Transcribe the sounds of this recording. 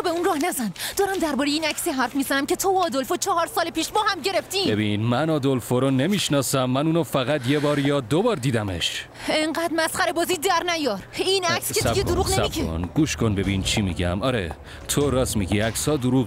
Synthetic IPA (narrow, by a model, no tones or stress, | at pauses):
be̞unrɒːhnæzænd̪ɒːɾæmd̪æɾbɒːɾejeiːnæcsiɦæɾfmiːzænæmcʰe̞t̪ʰoːd̪olfot͡ʃʰɒːɦɒɾsɒːlepiːʃbɒːhæmɟe̞ɾeft̪iːbebinmænɒːd̪olfoɾonemiːʃnɒːsæmːænuːnɔfæɣæt̪jebɒːɾjɒːd̪obɒːɾd̪iːd̪æmḛʃ | eŋɢæd̪mæsχæɾe̞bɒːziːd̪æɾnæjɒːɾinækskesɡeoɾuːɣneæieo̰nɡuːʃkʰonbe̞bint͡ʃʰimḭɟæ̰mɒ̰ːɾḛ | t̪ʰoɾɒːsmiɟiæksɒːd̪oɾuːɣ